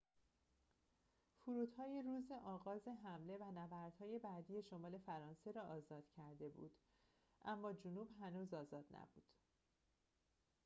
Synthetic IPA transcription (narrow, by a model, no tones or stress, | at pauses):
fuɾuːt̪hɒːjeɾuːzeʔɒːɣɒːzeɦæmle̞vænævæɾd̪̥hɒːje̞bæːd̪ije̞ʃo̞mɒːle̞fæɾɒːnse̞ɾɒːʔɒːzɒːd̪̥cʰæɾd̪e̞bṵːd̪̥ | ʔæmːɒːd͡ʒonuːbɦænuːzɒːzɒːd̪̥næ̰bṵːd̪̥